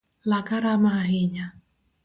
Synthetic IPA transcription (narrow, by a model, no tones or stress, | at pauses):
lakaɾamaaɦɪɲa